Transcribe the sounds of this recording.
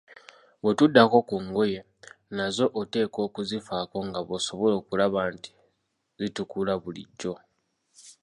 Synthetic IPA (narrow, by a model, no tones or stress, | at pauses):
βwe̞tudːako̞kuŋɡo̞je̞ | nazo̞ʔote̞ːko̞ːkuzifako̞ŋɡaβo̞so̞βo̞lo̞ːkulaβanti̥ | zitukulaβulḭɟːo̞